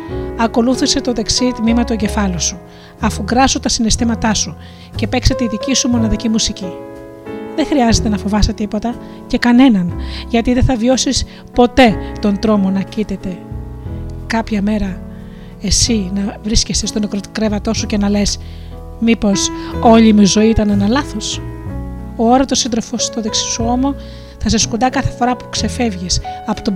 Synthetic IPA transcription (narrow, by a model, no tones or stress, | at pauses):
ɐko̞luθise̞t̪o̞ðeksit̪mimɐt̪ueɲɟe̞fɐlosu | ɐfuɡɾɐsot̪ɐsine̞st̪imɐt̪ɐsu | ce̞pekse̞t̪e̞iðicisumo̞nɐðicimusici | ðe̞xɾiɐze̞t̪e̞nɐfo̞vɐst̪et̪ipo̞t̪ɐ | ce̞kɐne̞nɐnʝɐt̪iðe̞θɐvjo̞sis | po̞t̪e̞t̪o̞nd̪ɾo̞mo̞nɐcit̪e̞t̪e̞ | kɐpçɐme̞ɾɐ | e̞sinɐvɾiscest̪est̪o̞nekɾot̪kɾe̞vɐt̪o̞suce̞nɐle̞s | mipo̞so̞ʎimizo̞iit̪ɐnenɐlɐθo̞s | ooɾɐt̪osind̪ɾo̞fost̪oðeksi̥suomo̞ | θɐsɐskund̪ɐkɐθe̞fo̞ɾɐpu̥kse̞fe̞vʝisɐpo̥t̪o